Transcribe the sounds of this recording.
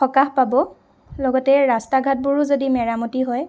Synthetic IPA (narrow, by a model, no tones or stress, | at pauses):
ɔkahpabɔ | lɔɡɔtɛɹastaɡʱat̚buɹʊzodimɛɹamutiɦɔj